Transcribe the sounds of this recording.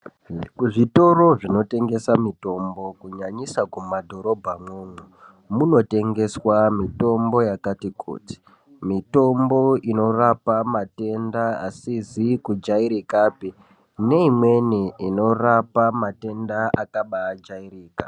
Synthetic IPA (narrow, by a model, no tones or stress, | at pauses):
kuʐito̞ɾo̞ʐino̞te̞ŋɡe̞samito̞mbo̞kuɲaɲisakumadʱo̞ɾo̞bʱamwoŋwu | muno̞te̞ŋɡe̞swamito̞mbo̞jakatikʰṵːti̥ | mito̞mbo̞ino̞rapamate̞ndaasizikud͡ʒaiɾikapi | ne̞imwe̞niino̞rapamate̞ndaakaɓaːd͡ʒairiːka